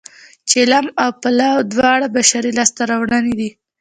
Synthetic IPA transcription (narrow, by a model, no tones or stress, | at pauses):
t͡ʃelamawpalawd̪wɑɽabaʃaɾilɑst̪aɾawɳanid̪i